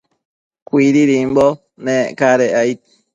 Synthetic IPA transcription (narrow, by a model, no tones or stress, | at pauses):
kʷiɾiɾimbo | nẽʔkaɾeajt̪̚